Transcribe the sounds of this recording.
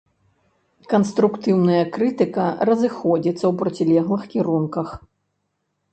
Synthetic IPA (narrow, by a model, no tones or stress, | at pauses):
kɐnst̪ɾukt̪ɨwnɐjɐkɾɨt̪ɨkɐrɐzɨxɔd͡zʲit̪sːɐwpɾɐt͡sʲilʲɛɣlˠɨxkʲiɾunkɐx